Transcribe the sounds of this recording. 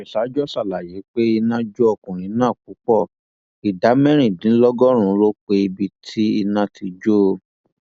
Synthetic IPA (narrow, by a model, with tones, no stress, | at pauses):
ɛ˨ʃa˨˦d͡ʒɔ˦sa˦˨la˨je˨˦k͡pe˦i˧nã˦d͡ʒo˦ɔ˧kũ˨ɾ̃ĩ˨˦nãː˦˨k̚u˨˦k͡pɔ˦˨ | i˨da˨˦mɛ̃˦ɾ̃ĩ˦˨dĩ˨˦lɔ˦ɡɔ˦ɾ̃ũ˧˦lo˦k͡pe˧i˧bi˧tʰi˦i˧nã˧ti˧d͡ʒo˦˧